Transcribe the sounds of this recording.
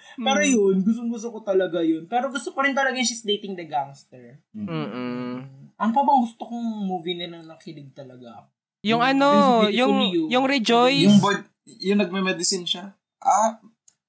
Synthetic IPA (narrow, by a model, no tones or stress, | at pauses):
pɛːɾojonɡʊst̪ʊŋɡʊs̬t̪okot̪ɐlɐɡajonpɛːɾoɡʊst̪okoɾɪnt̪ɐlɐɡaʃasd̪ejt̪ɪŋd̪ɐɡanst̪ɛɹm̩ː | ʔɐnpɐbɐŋɡʊst̪okoŋmuːvinɛnɐŋnɐkɪlɪɡ̚t̪ɐlɐɡa | jʊŋʔɐno̞jʊŋjʊŋɾɛd͡ʒojjʊŋbɐ | jʊŋnɐɡ̚mɛmɛd̪ɪsɪnʃa | ʔa